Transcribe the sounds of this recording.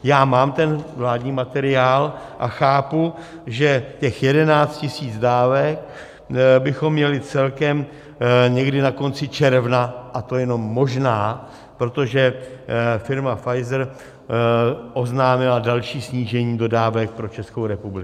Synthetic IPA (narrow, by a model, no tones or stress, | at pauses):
jaːmaːmt̪ɛnvlaːdɲiːmat̪ɛɾɪaːl | ʔaxaːpu | ʒɛcɛxjɛdɛnaːt͡st̪cɪsiːd͡zdaːvɛk | bɪxo̞mːɲɛlɪt͡sɛlkɛm | ɲɛɡdɪnako̞nt͡sɪt͡ʃɛɾvnaʔat̪o̞jɛno̞mːo̞ʒnaː | pɾo̞t̪o̞ʒɛ | fɪɾmafajzɛɾ | ʔo̞znaːmɪladalʃiːsɲiːʒɛɲiːdo̞daːvɛk̚pɾo̞t͡ʃɛskowɾɛpublɪ